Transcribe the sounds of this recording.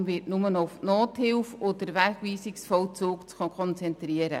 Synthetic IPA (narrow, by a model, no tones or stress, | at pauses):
mvɪːtnʊmənʊwfnɔːthɪwfod̥̪əɾʋæɡʋiːsɪksfɔlt͡suːkt͡skʰɔnt͡sɛnt̪ɾiəɾə̰